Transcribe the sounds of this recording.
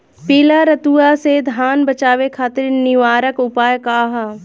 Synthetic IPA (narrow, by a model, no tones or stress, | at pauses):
piːlaɾɐt̪uased̪ʱaːnbɐt͡ʃaːʋekʰaːt̪ɪɾnɪʋaːɾəkʊpaːjkaːɦaː